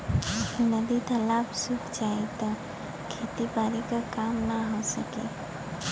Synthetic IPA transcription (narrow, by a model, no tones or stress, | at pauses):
nəd̪it̪ɐlaːbsukʰd͡ʒaːet̪ɔ | kʰeːt̪ipaːɾikakaːmnaɦosəkḛ